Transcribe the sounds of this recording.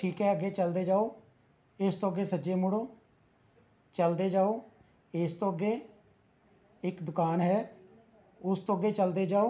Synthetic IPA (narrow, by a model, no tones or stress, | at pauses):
ʈʰiːkɦɛːəɡeːt͡ʃəld̪eːd͡ʒaːoː | ɪst̪õːəɡːeːsəd͡ʒeːmʊɽoː | t͡ʃəld̪eːd͡ʒaːoː | ɪst̪õːəɡeː | ɪkd̪ʊkaːnɦɛː | ʊst̪õːəɡeːt͡ʃəld̪eːd͡ʒaːoː